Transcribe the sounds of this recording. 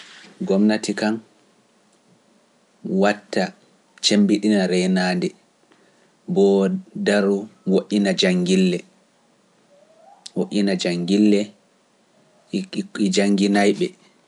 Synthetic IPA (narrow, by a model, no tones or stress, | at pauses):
ɡɔmnatikan | watːa | t͡ʃembiɗinaɾɛnaːndɛ | bɔdaɾuwoʔʲinad͡ʒaŋɡilːɛ | woʔʲinad͡ʒaŋɡilːɛ | id͡ʒaŋɡinajɓɛ